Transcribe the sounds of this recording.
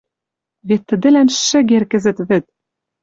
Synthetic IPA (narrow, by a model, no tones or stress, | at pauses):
vet̪ʰːɘ̆d̪ɘ̆lænʃːɘ̆ɡʲerkɘ̆zɘ̆t̪vɘ̆t̪̚